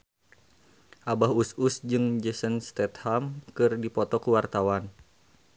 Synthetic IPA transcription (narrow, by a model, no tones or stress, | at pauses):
ʔabaɦususd͡ʒɨŋd͡ʒəsənst̪ɛt̪hamkɨrdipɔt̪ɔkəwart̪awan